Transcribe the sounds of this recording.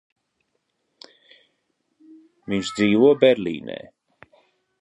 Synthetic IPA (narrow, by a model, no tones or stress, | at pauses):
viɲʃd̪ziːvuɔbɛɾlʲḭːnɛ̰ː